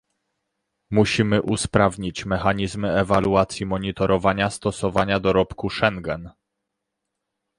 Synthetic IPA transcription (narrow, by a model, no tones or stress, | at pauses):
muɕimɘʔuspɾavɲit͡ɕmɛxaɲizmɘɛvaluat̪sʲjimɔɲit̪ɔɾʔɔvaɲast̪ɔsɔvaɲad̪ɔɾɔpkuʂɛŋɡɛn